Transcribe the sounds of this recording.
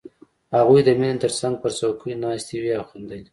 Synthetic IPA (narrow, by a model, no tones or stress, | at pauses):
haɣujd̪əminnt̪əɾsaŋɡ̚pəɾsawkʰəjnɑst̪iwiawxund̪əli